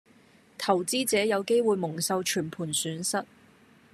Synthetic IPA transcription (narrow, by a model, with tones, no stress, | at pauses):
t̪ʰɐ˨˩wt͡siː˥t͡sɛː˨˥jɐ˨˧wke˥jwuː˨˧jmʊ˨˩ŋsɐ˧wt͡ʃʰyː˨˩npʰuː˨˩nsyː˨˥nsɐ˥t̚